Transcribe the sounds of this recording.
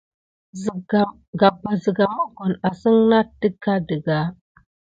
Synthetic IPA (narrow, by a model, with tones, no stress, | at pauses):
zɡa˨m | ɡa˨bə˨zə˨ɡa˨ma˦ko˨na˨sə˦ŋna˦də˦kːa˦də˨ɡa˦